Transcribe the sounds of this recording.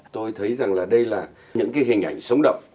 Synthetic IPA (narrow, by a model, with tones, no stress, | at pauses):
t̪o˧jt̪ʰə˨˦jza˨˩ŋlaː˨˩ɗə˧jlaː˨˩ | ɲɨ̰˧˥ŋkaː˨˦jɦhï̟˨˩ʔa̰˧˩jŋ̟sə˨˦wŋ͡mɗə̰˧˨wŋ͡m